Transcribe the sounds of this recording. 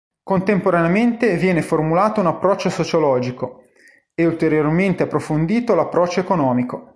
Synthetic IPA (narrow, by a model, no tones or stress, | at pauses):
kont̪empoɾaneament̪evjɛːneformulaːt̪ounapːɾɔt͡ʃːosot͡ʃolɔːd͡ʒiko | eult̪eɾjorment̪eapːɾofond̪iːt̪olapːɾɔt͡ʃːoekonɔːmiko